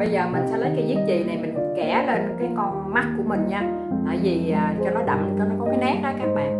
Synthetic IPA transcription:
ɓə˧jzəː˨˩mï̟˨˩sɛ̰˧˥lə˨˦jkaː˨˦zi˦˥ət̚zi˨˩na˨˩jmï˨˩ŋ̟kɛ˧˩le˧nkaː˨˦jkɔ˧nma˦˥t̚ku˧˩əmï˨˩ŋ̟ɲaː˧ | ʔaː˨˩zi˨˩ʔaː˨˩t͡ɕɔ˧nɔ˨˦ɗa̰˧˨˩mkə˧nɔ˨˦kɔ˨˦kaː˨˦jnɛ˦˥k̚ʔəː˨˦kaː˦˥k̚ɓa̰ː˧˨n

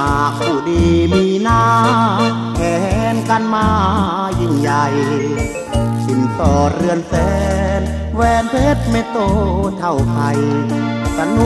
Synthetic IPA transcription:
aː˨˩k̚puː˧˩diː˧miː˧naː˧˩ | pʰɛː˨˩hɛ˦nka˧nmaː˧ | ji˧˩ŋja˧j | si˧˩nsɔː˧˩ɾɯ˧ənsɛː˧˦n | wɛː˧npʰeː˦˥t̪̚me˧˥t̪oː˧t̪ʰa˧˩wpʰa˧j | sa˧˥nu˧˦

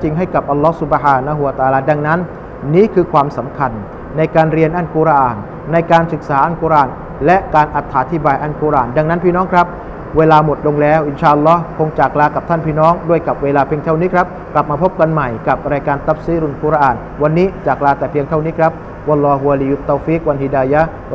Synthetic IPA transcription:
t͡ɕi˧ŋɦa˥˩jka˨˩p̚ʔa˧lːɔ˦˥hsu˨˩bhaː˧na˧ɦu˧wa˧t̪aː˧laː˧da˧ŋna˦˥nː | iː˦˥kʰɯː˧kʰwaː˧msa˩˦mkʰa˧nː | a˧jkaː˧nɾi˧ənʔa˧˩nku˧˩ɾa˧ʔaː˨˩nː | a˧jkaː˧nsɯ˨˩k̚saː˩˦ʔa˧˥˩nku˧ɾʔaː˨˩n | lɛ˦˥ʔkaː˧nʔa˨˩t̪ʰːaː˩˨˦t̪ʰi˦˧˩baː˧jʔa˧˩nku˧ɾʔaː˨˩nda˧ŋna˦˥npʰiː˥˩nɔː˦˥ŋkʰɾa˦˥p̚ | weː˧laː˧mo˨˩t̪̚lo˧ŋlɛː˦˥wʔi˨˧nt͡ɕʰaː˧ʔa˧lːɔ˦˥hkʰo˧ŋt͡ɕaː˨˩k̚laː˧ka˨˩p̚t̪ʰa˥˩npʰiː˥˩nɔː˦˥ŋdu˥˩əjka˨˩p̚weː˧laː˧pʰi˧ŋt̪ʰa˥˩wniː˦˥kʰɾa˦˥p̚kla˨˩p̚maː˧pʰo˦˥p̚ka˧nma˨˩jka˨˩p̚ɾaː˧jkaː˧nt̪a˦˥p̚si˦˥ɾu˧˩nku˧ɾaː˧ʔaː˨˩n | wa˧nːiː˦˥t͡ɕaː˨˩k̚laː˧t̪ɛː˨˩pʰi˧əŋt̪ʰa˥˩wniː˦˥kʰɾa˦˥p̚ | wa˧lːɔː˧ɦu˧a˧liː˧ju˦˥t̪ːaː˧fi˦˥k̚wa˧nhi˧daː˧ja˦˥

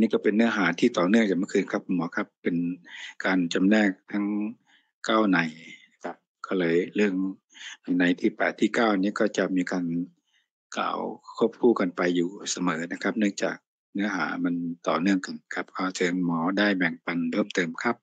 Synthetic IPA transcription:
niː˧˥˨kɔː˧˩pe˨nːɯ˧˥ɐɦaː˩˦t̪ʰiː˧˩t̪ɔː˨˩nɯ˥˩əŋt͡ɕa˨˩ma˧˥˧kʰɯː˧˨nkʰa˦˧˥p̚mɔː˨˦kʰa˧˥pːe˨nkaː˨nt͡ɕa˨mnɛː˧˩k̚t̪ʰa˦˥ŋ | kaː˥˩wna˨˦jna˧˥kʰa˦˧p̚kɔː˧˩˨lɤː˧jlɯ˥˩əŋ | na˨˧˩jna˨˦jt̪ʰiː˧˩pɛː˨˩t̪ʰːiː˧˥˩kaː˧˥˩wʔniː˧˥˨kɔː˧˩t͡ɕa˧miː˧˦kaː˧n | ka̰ː˨˩wkʰo˧˥˩p̚kʰuː˧˩ka˨npa˨˧jːuː˨˩sa˧mɤː˨˦na˧kʰa˦˥p̚nɯ˥˩əŋt͡ɕa̰ː˨˩k̚ | nɯ˧˥əɦaː˨˩˦ma˧˥˨nt̪ɔ̰ː˨˩nɯ˥˩əŋka˨˩nkʰa˧p̚kʰaː˧˩sʰɤː˨˦ŋmɔː˨˦daː˧˥˩jbɛ˨˩ŋpa˧nlʰɤː˧˥˩mt̪ɤː˨˧mkʰa˦˧˥p̚

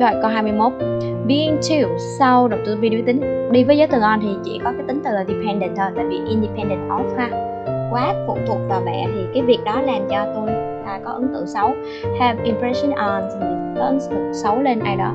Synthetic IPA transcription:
zɔ˧˩kə˧ɦaː˧jmɨ˧əjmo˦˥t̚bi˧ntʰi˧˩wsa˧wɗə˨˩wt̪ɨ˧˨vi˧ɗi˧t̪ï˨˦ŋ̟ɗi˧vəː˨˦zəː˨˦jt̪ɨ˨˩ŋʔə˧nt̪ʰi˨˩t͡ɕḭ˧˩˨kɔ˨˦kaː˨˦jt̪ï˨˦ŋ̟t̪ɨ˨˩ʔə˨˩di˨˩pʰɛ˧nɗə̰˧˩nt̪ʰəː˨˩t̪a̰ː˧˨vḭ˧˨ʔi˧nɗi˧pʰɛ˧nɗə˧˩ntʔɔ̰˨˦faː˧ | kwaː˨˦˥kʊ̰˧˩˨ŋ͡mt̪ʰṵ˨˩ək̚va˧˩vɛ̰˧˩t̪ʰi˨˩kaː˨˦jvi˨˩ək̚ɗɔ˨˦laː˨˩mt͡ɕɔ˧t̪u˧j | taː˧˩kɔ˨˦ʔə˨˦ŋt̪ɨ̰˧˨sə˨˦w | hɛ˧vʔi˨mpɹɛ˨˦sə˧nʔɔ˨˩nsə˨˩i˨˩ə˧˩˦nsʊ˨˩sə˨˦wle˧nʔaː˧jɗɔ̰˨˦

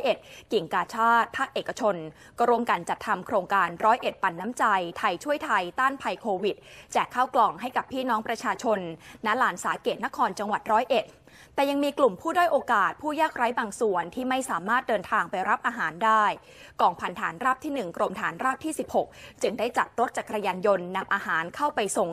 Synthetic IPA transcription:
ʔe˨˩t̪̚ki˨˩ŋkaː˧t͡ɕʰaː˥˩t̪̚pʰaː˥˩k̚ʔeː˨˩kːa˧t͡ɕʰo˧n | kɔ˥˩ɾu˥˩əmka˧nt͡ɕa˨˩t̪ʰːa˧mkʰɾoː˧ŋkaː˧nɾɔː˦˥jʔe˨˩t̪̚pa˨˩nːa˦˥mt͡ɕa˧jt̪ʰa˧jt͡ɕʰu˥˩əjt̪ʰa˧jt̪aː˥˩npʰa˧jkʰoː˧wi˨˩t̪̚t͡ɕɛː˨˩kʰːaː˥˩wklɔː˨˩ŋɦa˥˩jka˨˩pʰːiː˥˩nɔː˦˥ŋpɾa˧t͡ɕʰaː˧t͡ɕʰo˧nːɛ˦˥laː˩˦nsaː˩˦t̪̚keː˨˩t̪̚na˦˥kʰɔː˧nt͡ɕa˧ŋwa˨˩t̪̚ɾɔː˦˥jʔe˨˩t̪̚ | t̪ɛː˨˩ja˧ŋmiː˧klu˨˩mpʰuː˥˩du˥˩jʔoː˧kaː˨˩t̪̚pʰuː˥˩jaː˥˩k̚ɾa˦˥jbaː˧ŋsu˨˩ənt̪ʰiː˥˩ma˥˩jsaː˩˦maː˥˩t̪̚dɤː˧nt̪ʰaː˧ŋpa˧jɾa˦˥p̚ʔaː˧ɦaː˩˦ndaː˥˩j | kɔː˨˩ŋpʰa˧˩nt̪ʰaː˩˦nɾaː˥˩p̚t̪ʰiː˥˩nɯ˨˩ŋkɾo˧mt̪ʰaː˩˦nɾaː˥˩p̚t̪ʰiː˥˩si˨˩p̚ho˨˩k̚t͡ɕɯ˧ŋdaː˥˩jt͡ɕa˨˩t̪̚ɾo˦˥t̪̚t͡ɕaː˨˩kːɾa˧jaː˧njo˧nːa˧mʔaː˧ɦaː˩˦nkʰa˥˩wpa˧jso˨˩ŋ

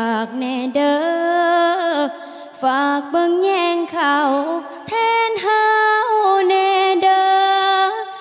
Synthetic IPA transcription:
a˨˩k̚nɛ˧˩ɗəː˧˦ | faː˨˩k̚ɓə˧˦ŋɲɛ˧ŋkʰa˧˩w | t̪ʰɛ˧nɦa˧wnɛ˧˩ɗəː˧

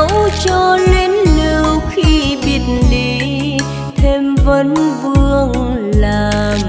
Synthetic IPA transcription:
wt͡ɕɔ˧le˨˧nli˨˩wxi˧ɓi˨˩ət̚nɗi˧˨ | t̪ʰe˧mvə˨˦nvɨ˧əŋlaː˨˩m

